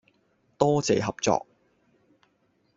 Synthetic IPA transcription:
t̪ɔː˥t͡se˨˧ɦɐ˨p̚t͡sɔ̰ː˧˨k̚

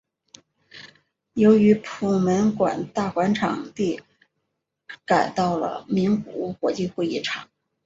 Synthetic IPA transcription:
jo˧˥ʊy˧˥pʰu˨˩mə˧˥nkwa̰˨˩nt̪a˥˩kwa˧˥nʈ͡ʂʰɑ̰˨˩ŋt̪i˥˩ | ka˨˩ɪt̪ɑ˥˩ʊlə̰˩mi˧˥ŋku˨˩˦kwɔ˧˥t͡ɕi˥˧xwe˥˧ɪi˥˩ʈ͡ʂʰɑ̰˨˩˦ŋ

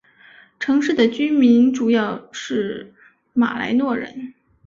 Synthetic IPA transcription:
ʈ͡ʂʰɤ˧˥ŋʂɻ̩˥˩d̪ə˩t͡ɕy˥mi˧˥nʈ͡ʂu˨˩jɑ˥˧ʊʂɻ̩˥˩ | ma̰˨˩la̰˧˥ɪnwɔ˥˩ɻə̰˧˥n

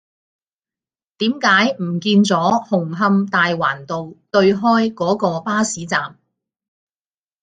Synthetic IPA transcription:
t̪iː˨˥mkaː˨˥jm̩˨˩kiː˧nt͡sɔː˨˥hʊ˨˩ŋɦɐ˧mt̪aː˨jwaː˨˩nt̪o˨wt̪ɵ˧ɥɦɔː˥jkɔː˨˥kɔː˧paː˥siː˨˥t͡saː˨m

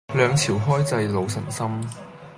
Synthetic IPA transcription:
lœː˨˧ŋt͡sʰiː˨˩wɦɔː˥jt͡sɐ˧jlo˨˧wsɪ˨˩ŋsɐ˥m

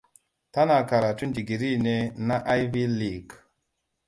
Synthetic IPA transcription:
ta˦na˨ka˨ɾa˨tu˦ndi˨ɡi˨ɾi˦ne˨na˦ʔa˦jvi˦li˨ɡ

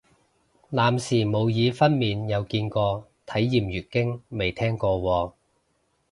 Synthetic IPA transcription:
laː˨msiː˨˩mo˨˧wjiː˨˧fɐ˥nmiː˨˧njɐ˨˧wkiː˧nkɔː˧ | t̪ʰɐ˨˥jːiː˨mjyː˨˩t̚kɪ˥ŋme˨jt̪ʰɛː˥ŋkɔː˧wɔː˧

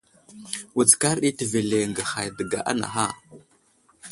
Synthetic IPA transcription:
wu˨t͡ska˦ɾɗi˦ti˨ve˨le˨ŋɡə˨xa˨jdə˨ɡa̰˨ʔa̰˦na̰˨ɦa˦˨

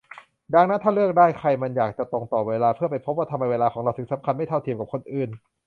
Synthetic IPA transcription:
da˧ŋna˦˥nt̪ʰaː˥˩lɯ˥˩ək̚daː˥˩jkʰa˧jma˧njaː˨˩k̚t͡ɕa˨˩t̪o˨˩ŋt̪ɔː˨˩weː˧laː˧pʰɯ˥˩əpa˧jpʰo˦˥p̚waː˥˩t̪ʰmːa˧jweː˧laː˧kʰɔː˩˦ɾa˧wt̪ʰɯ˩˦ŋsa˩˦mkʰa˧nma˥˩jt̪ʰa˥˩t̪i˧əmka˨˩kʰo˧nʔɯː˨˩n

